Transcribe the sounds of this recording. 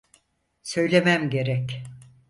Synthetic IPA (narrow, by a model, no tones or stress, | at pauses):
sø̞jlʲe̞mæmɟe̞ɾɛc